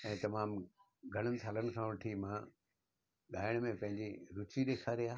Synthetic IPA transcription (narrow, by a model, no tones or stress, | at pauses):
ɛ̃ːt̪ɐmaːm | ɡʱɐɽ̃ənɪ̆t̪ʰaːlənɪ̆kʰãʋɐʈʰimã | ɠaːɪɽ̃mẽpɐ̃ɦɪ̃ɲd͡ʑiɾʊt͡ɕiɗeːkʰaːɾiaː